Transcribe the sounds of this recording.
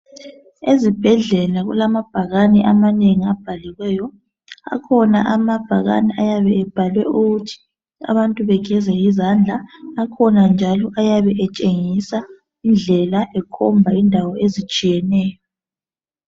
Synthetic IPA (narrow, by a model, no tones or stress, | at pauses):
ezib̥ʱɛɮɛlaɣṵlamab̥ʱaɣanɛʔamaneŋiab̥ʱaliɣwɛːjɔ | a̰kʰɔnaʔamab̥ʱaɣa̰nɛʔajaβɛɛb̥ʱalwɛuɣutʰi̥ | a̰βantʼuβɛɡ̥ʱɛzɛjizand͡ɮʱaːkʰɔnand͡ʒʱalɔʔajaβɛʔɛt͡ʃʼeŋisa | ind͡ɮʱɛlaʔɛkʰɔmbʱaindʱawɔezit͡ʃʼijɛnɛːjɔ